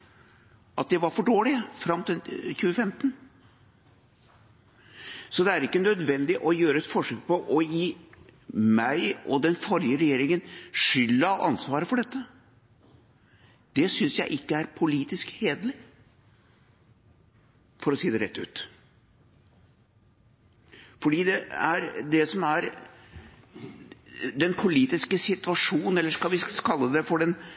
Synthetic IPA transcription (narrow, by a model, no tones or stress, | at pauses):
ʔɑt̪̚d̪ɛʋɑɾfɔɖoːlɪfɾɑmːt̪ʰɪlçʉːəfɛmt̪n | sɔd̪ɛæɾɪkːənœd̪ʋɛnd̪ɪʔɔjøːɾəɛt̪fɔʂøːk̚pʰɔʔɔjiː | mæɪɔd̪ɛnfɔɾjəɾɛjeːɾɪŋənʂʏlːəʔɑ̰nsʋɑːɾəfɔɖɛt̪ːə | d̪̥ɛsʏnsjæɪʔɪkːəæɾpʰʊliːt̪ɪskheːd̪lɪ | fɔɾɔsiːd̪ɛɾɛ̰t̪ːʉ̰ːt̪ | fɔɖiːd̪ɛæɾd̪ɛsɔmæɾ | d̪ɛnpʰʊliːt̪ɪskəsɪt̪ʋɑʂuːnənɛlːəʂkɑlʋɪkʰɑlːəd̪ɛfɔɖɛn